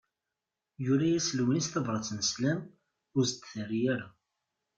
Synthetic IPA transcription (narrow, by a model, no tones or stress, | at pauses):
jʊɾæjæslwənist̪ɑvɾˤɑt͡sːnəslæm | ʊzd̪θərːijæɾa